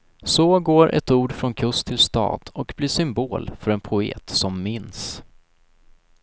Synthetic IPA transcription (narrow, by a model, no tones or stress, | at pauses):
sɔːɡoːɾʔɛ̰t̪uːɖfɾɔnkʰɵst̪ʰɪlst̪ɑ̰ːd̪̥ɔkbliːʂʏmboːlfœɾɛnpʰʊḛːt̪sɔmːɪns